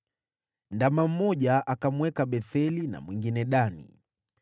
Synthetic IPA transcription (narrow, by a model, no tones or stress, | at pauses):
ndamam̩mɔʄaʔakamwɛkaɓɛθɛlina̰mwiŋɡinɛɗanḭ